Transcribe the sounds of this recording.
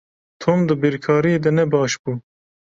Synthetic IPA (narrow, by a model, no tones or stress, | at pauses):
t̪ʰoːmd̪ɨbiɾkʰɑːɾied̪ɛnɛbɑːʃbuː